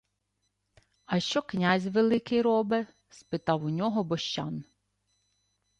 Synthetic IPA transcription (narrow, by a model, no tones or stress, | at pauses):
ɐʃt͡ʃɔknʲazʲʋelˠɪkɪjɾɔbɪ | spɪt̪ɑwʊnʲɔɦɔbɔʃt͡ʃɑn